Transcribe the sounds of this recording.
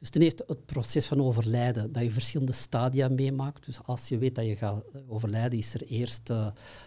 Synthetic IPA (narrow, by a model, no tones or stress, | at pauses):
d̥ʏstənɪːrstəət̚prosɛsfɑnoːvərlɛjdədajəvərsxɪlˠəndəstaːdiameːmaːktd̥ʏsɑlˠsjəʋeːt̚dajəɣaːoːvərlɛjdənɪsəreːrstə